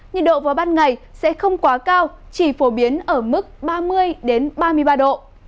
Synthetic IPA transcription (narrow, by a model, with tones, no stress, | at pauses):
ɲɨ̰˧˨ɗo̰˧˨vaː˨˩jɓaː˧nŋa˨˩jsɛ̰˧˥xə˧wŋ͡mkwaː˨˦kaː˧w | t͡ɕi˧˩fo˨˦ɓi˨˦ənʔəː˧˩mɨ˦˥k̚ɓaː˧mɨ˧əjɗe˨˦nɓaː˧mɨ˧əjɓaː˧ɗo̰˧˨ʔ